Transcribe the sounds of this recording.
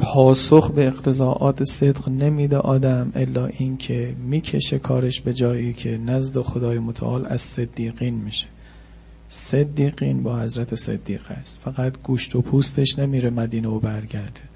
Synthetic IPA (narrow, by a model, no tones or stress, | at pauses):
pʰɒːsoxbe̞ːqt̪ʰe̞zɒːʔɒːt̪ʰese̞d̪qne̞miːd̪eʔɒːd̪æmʔelːɒːʔiːncʰe̞miːcʰe̞ʃe̞kʰɒːɾeʃbe̞d͡ʒɒːjiːcʲʰe̞næzd̪e̞xod̪ɒːjemot̪ʰæ̰ʔɒːlæ̰z̥sed̪ːiːɣiːnmiːʃe̥ | sed̪ːiːɣiːnbɒːhæzɾæt̪ʰesḛd̪ːḭːɣ̥æ̰st̪fæɣæt̪ɡuːʃt̪ʰopʰuːst̪ʰe̞ʃne̞miːɾemæd̪iːneobæɾɟæɾd̪̥e